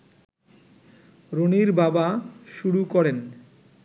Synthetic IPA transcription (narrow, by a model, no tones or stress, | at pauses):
ɾoniɾbabaʃuɽukɔɾen